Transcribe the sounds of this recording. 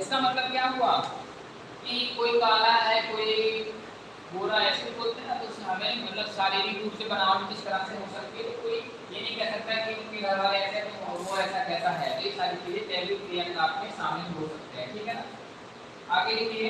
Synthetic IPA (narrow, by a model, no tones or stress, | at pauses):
ɪskamɐt̪ləb̚kjaːɦuaː | kikoːikaːlaɦɛkoːi | boːɾaɛskeboːlt̪eɦnat̪ʊsɦɐmɛ̃mɐt̪ləbsaːɾeɾiɾuːpsebɐnaːomẽd͡ʒɪst̪ɐɾaseɦoːsɐk̚t̪eɛt̪okoːi | jenɐ̃ɦĩkɛɦsɐk̚t̪aɦɛkiʊnkẽɾɐʋaːɾeɛsɛt̪oɔːɾoaɛːsakɛːsaɦɛːt̪oesaːɾikeliet̪ɛːɾikɾeːənzaːp̚kesaːmneɦoːsɐk̚t̪eɦɛ̃ʈʰiːkɦɛnaː | aːɡeeki